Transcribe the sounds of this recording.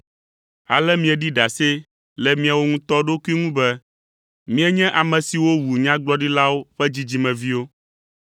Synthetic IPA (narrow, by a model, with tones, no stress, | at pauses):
a̰˨lɛ˦mĩ˦ɛ˨ɖi˦ɖa˨se˦ | lɛ˨mĩ˦a˨wo˦ŋũ˦t̪ɔ˦ɖo˦ku˦i˦ŋũ˦bɛ˦ | mĩ˦ɛ˦ɲɛ̃˦ʔa˨mɛ̃˨si˨wo˦wu˨ɲã˦ɡ͡blɔ˦ɖi˦la˦wo˦ɸɛ˦d͡ʑi˦d͡ʑi˦mɛ̃˨vi˦wo˦